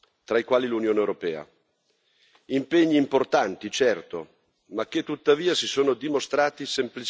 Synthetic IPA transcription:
t̪ɾaikwaːlilunjoːnewɾopɛːa̰ | impeɲːiːmport̪ant̪it͡ʃɛrt̪o | mak̟ːet̪ːut̪ːaviːasisoːnod̪imost̪ɾaːt̪isemplit͡ʃ

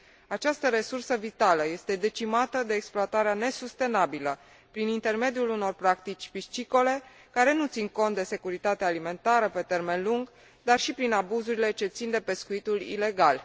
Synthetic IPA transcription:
at͡ʃast̪əɾe̞sursəvit̪aləje̞st̪e̞d̪e̞t͡ʃimat̪əd̪e̞ːksploat̪aɾeane̞sust̪e̞nabilə | pɾinint̪e̞rme̞d̪ijuluno̞rpɾakt̪it͡ʃʲpit͡ʃiko̞le̞ | kaɾe̞nut̪siŋko̞nt̪̚d̪e̞se̞kuɾit̪at̪eaːlime̞nt̪aɾəpe̞t̪e̞rme̞nluŋɡ | d̪arʃipɾinabuzuɾile̞t͡ʃe̞t̪sind̪e̞pe̞skuit̪ulḭle̞ɡal

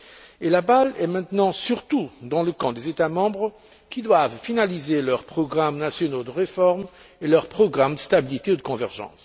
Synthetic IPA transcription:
elabalɛmɛ̃t̪nɑ̃syʁt̪ud̪ɑ̃ləkɑ̃d̪ezet̪amɑ̃bʁə | kʲid̪wavfinalizelœʁpχɔɡʁamnasjɔnod̪əʁefɔʁm | elœʁpχɔɡʁamd̪əst̪abilit̪ed̪əkɔ̃vɛʁʒɑ̰̃s

